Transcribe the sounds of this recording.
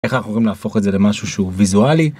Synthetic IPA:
exanaχnumoimlafo̞χeze̞le̞maʃuʃeuvizuali

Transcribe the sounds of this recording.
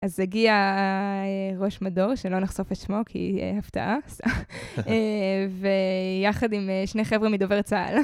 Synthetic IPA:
ʔazeɡia | eʁo̞ʃmado̞ʁʃelo̞naχso̞fat͡ʃmo̞kʰḭaft̪a̰ʔast̪aevejaχadimeʃneχevʁemid̪oveʁt͡saa̰l

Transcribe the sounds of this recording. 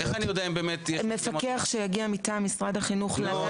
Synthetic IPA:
eχanijodeaimbeːmetjɛme̞fakeaχʃejaɡiamitamisʁadhaχinuχla

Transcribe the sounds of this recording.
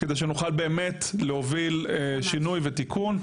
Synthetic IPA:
kedejʃ̬enuχalbe̞ːmetlehovileʃinujvet̪ikʰun

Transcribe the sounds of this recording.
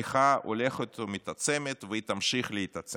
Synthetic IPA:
iχao̰leχot̪omit̪at͡semet̪veit̪amʃiχleit̪at͡se

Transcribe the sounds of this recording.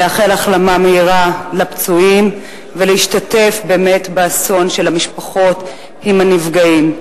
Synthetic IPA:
eaχe̞laχlamameiʁalapt͡suim | veleiʃtatefbe̞ːme̞tbaːso̞nʃe̞lamiʃpaχo̞t | imhanivɡaim

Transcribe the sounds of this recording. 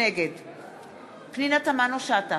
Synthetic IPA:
eɡed̪ | pninat̪amanoʃat̪a

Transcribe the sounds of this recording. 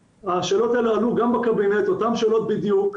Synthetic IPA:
aʃeːlot̪elaluɡambakabinet̪o̞t̪amʃeːlo̞t̪̚bid̪juk

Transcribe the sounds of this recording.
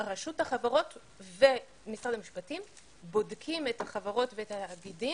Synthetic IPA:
ʁaʃuthaχavaʁo̞t | ve | misʁad̪amiʃpatim | bo̞dkʰimethaχavaʁo̞tveetaaɡidi

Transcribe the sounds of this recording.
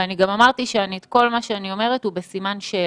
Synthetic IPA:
aniɡamamaʁt̪iʃeaniet̪ko̞lmaʃeanio̞me̞ʁet̪hube̞simanʃeː

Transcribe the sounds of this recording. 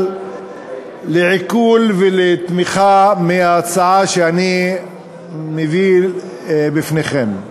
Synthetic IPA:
leʕikulvelet̪miχameat͡saʕaʃeani | mevi | bifneχem

